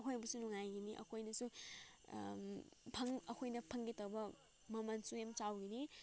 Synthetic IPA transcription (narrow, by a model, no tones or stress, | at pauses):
ɐkʰojbɐsunuŋajɡiniʔɐ̰kʰojnɐsu | pʰɐŋɐkʰojnɐpʰɐŋɡitɐwbɐ | mɐmɐnsuhemt͡ʃawɡini